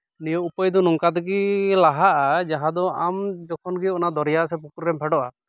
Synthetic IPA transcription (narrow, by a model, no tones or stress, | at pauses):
nijɔupəjd̪ɔnɔŋkat̪ɛɡilaɦaʔad͡ʒaɦad̪ɔamd͡ʒɔkʰɔnɡiɔnad̪ɔɾjasɛpukuɾɾɛmpʰɛɖɔʔa̰